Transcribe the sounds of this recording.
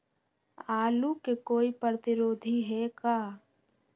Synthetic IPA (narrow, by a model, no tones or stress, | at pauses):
aːlukekoːipəɾət̪ɪɾoːd̪ʱiɦɛkaː